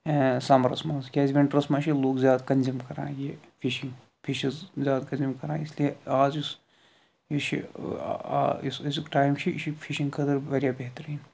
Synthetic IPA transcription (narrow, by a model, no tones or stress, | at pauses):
saːmɾɐsmãːzkʲaːzʋẽɳʈɾɐsmãːt͡ʃʰiloːɡzjaːd̪kɐnzimkɐɾã̰ːje | pʰiʃĩŋɡ | pʰiʃizzjaːd̪kɐ̃nzimkɐɾãːɪslieaːzis | iʃʰḭ | ssʈaːɪmt͡ʃʰiʃipʰiʃĩŋɡkʰɐd̪ɐɾʋɐɾjabɛɦt̪əɾiːn